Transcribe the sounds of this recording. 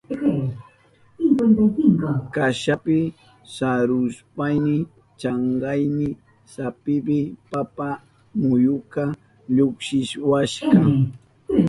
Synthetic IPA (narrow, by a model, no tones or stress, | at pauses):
ɪŋkant̪ajkɪŋkʊkaʃapɪ | saɾʊspajnɪ | t͡ʃɑɴɢɑjnɪ | sapɪpɪpapa | mʊjʊka | ʎʊkʃɪʃwaʃkɑ